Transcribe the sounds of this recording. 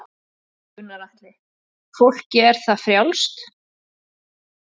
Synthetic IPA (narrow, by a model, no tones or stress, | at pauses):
ʏnːaɾaht̪lɪ | fowl̥cɪɛɾ̥θafɾjawlst̪